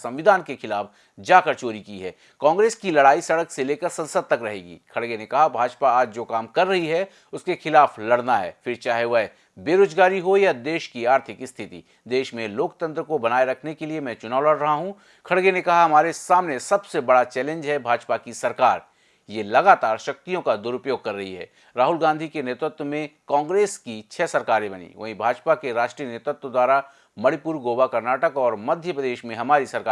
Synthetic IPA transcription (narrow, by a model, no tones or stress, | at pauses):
sɐ̃mʋɪd̪ʱaːnkexɪlaːf | d͡ʒaːkəɾt͡ʃoːɾikiɦɛː | kɔ̃ːŋɡɾeːskilɐɽaːisɐɽəkseleːkəɾsɐ̃nsəd̪̚t̪ɐkɾɐɦḛːɡḭːkʰɐɽɡenekɐɦabʱaːd͡ʒpaaːd͡ʒd͡ʒoːkaːmkɐɾːɐɦiɦɛ | ʊskexɪlaːflɐɽnaɦɛ̰ːfɪɾt͡ʃaːɦeʋɐɦ | beːɾoːd͡ʒɡaːɾiɦojad̪eːʃkiaːɾt̪ʰɪkɪst̪ʰɪt̪ḭ | d̪eːʃmẽloːkt̪ə̃nt̪ɾəkobɐnaːeɾɐkʰnekeliemɛ̃ːt͡ʃʊnaːʊlɐɽɾɐɦaɦũ | kʰɐɽɡenẽkɐɦaɦɐmaːɾesaːmnesɐbsebɐɽat͡ʃɛːlẽɲd͡ʒɦɛbʱaːd͡ʒpakisɐɾkaːɾ | jelɐɡaːt̪aːɾʃɐk̚t̪ijõkad̪ʊɾʊpjoːɡ̚kɐɾːɐɦiɦɛ̰ː | ɾaːɦʊlɡãːnd̪ʱikeneːt̪ɾʊt̪wəmẽkãːŋɡɾeːskit͡ʃʰɛːsɐɾkaːɾẽbɐnḭʋɐ̰ɦĩbʱaːd͡ʒpakeɾaːʃʈɾiːjəneːt̪ɾʊt̪wəd̪waːɾa | mɐɽipuːɾɡoːwakɐɾnaːʈəkɔːɾmɐd̪ʱjəpɾəd̪eːʃmẽɦɐmaːɾisɐɾkaː